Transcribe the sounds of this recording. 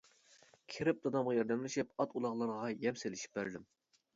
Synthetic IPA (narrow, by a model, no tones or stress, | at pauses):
kʲʰeɾɪp̚d̪ɑd̪ɑmʁɑjɑɾd̪ɛmlɪʃipɑt̪ulˠɑʁlˠɑɾʁɑjɛmselɪʃi̥p̚bæɾd̪ɪm